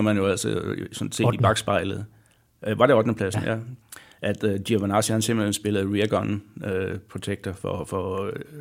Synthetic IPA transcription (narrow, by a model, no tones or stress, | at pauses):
ɐmænjo̝æl̰səsɒnse̝̰d̥ib̥ɑ̈ɡ̥sb̥ɑ̈ɪləð̞̩ˠ | ʋɑ̈ɾ̥e̝ɒ̽d̥nəpʰlæsn̩jæʔæd̥diɐʋænɑ̈sihænsemb̥lensb̥e̝lð̩ˠʁiɐɡ̥ɒnøpʰʁo̝t͡sʰeɡ̥̚d̥ɐfɒ̰fɒ